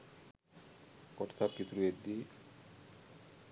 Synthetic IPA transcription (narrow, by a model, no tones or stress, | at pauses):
kɔʈt̪ʰaɾkit̪ɾued̪i